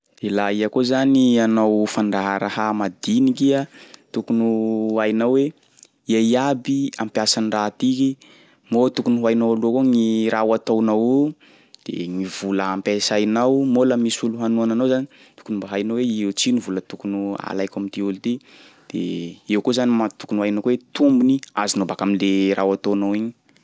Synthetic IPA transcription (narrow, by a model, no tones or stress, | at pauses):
elaiakozanianawfaɳɖ͡ʐaɦaɾaɦamad̪inikiat̪ukunuajnawe | iaabiampjasanirat̪iki | mot̪ukunuɦajnawaluakoŋiɾawat̪awnawu | d̪̥ḛŋivuləampesajnawmolamisuluɦanuananawzani | t̪u̥kunumbaɦajnaweewt͡sinivulət̪ukunua̰lajkamit̪iulit̪i | d̪̥ḛewkuzanimat̪u̥kunuajnawkuwet̪umbuniazinobakaminleɾʔa̰wat̪onawiɲi̥